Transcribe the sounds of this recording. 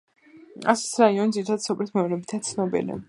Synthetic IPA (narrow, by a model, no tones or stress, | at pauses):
a̰sɛ̥sɾaiɔnid̪ziɾit̪ʰad̪sɔplɛt̪ʰmɛɔɾɛbit̪ʰat̪sʰnɔbḭlḭ